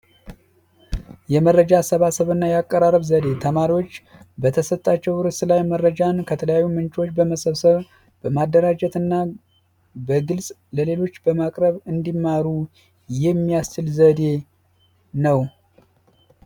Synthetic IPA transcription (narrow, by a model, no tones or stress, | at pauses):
jɛmərːəd͡ʒasəβasəβɨnːajakʼːəɾarəβzəd̪e̞t̪ʰəmaɾiwo̞t͡ʃːbət̪ʰəsət̪ʼːat͡ʃːɛwɾɨsɨlajmərːəd͡ʒankʰət̪ʰələjajːumɨnt͡ʃʼo̞t͡ʃːbəməsəβsəβ | b̥əmad̪ːəɾad͡ʒɛt̪ɨnːa | bəɡɨlsʼləle̞lo̞t͡ʃːbəmakʼɾəβɨnd̪imːaɾu | jɛmːijast͡ʃɨlzəd̪e̞ | nəw